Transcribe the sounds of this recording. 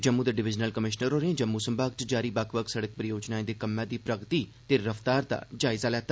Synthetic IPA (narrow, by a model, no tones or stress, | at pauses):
d͡ʒəmːũd̪eɖɪʋɪd͡ʒnəlkəmɪʃnəɾoːɾẽd͡ʒəmːũsəmbaːɡt͡ʃd͡ʒaːɾiːbakʰʋəksəɽək̚pɾəjoːd͡ʒnãːẽːd̪eːkəmːãːd̪iːpɾəɡt̪iːt̪eːɾəft̪aːɾd̪a̰ːd͡ʒaːɪzaːlɛːt̪a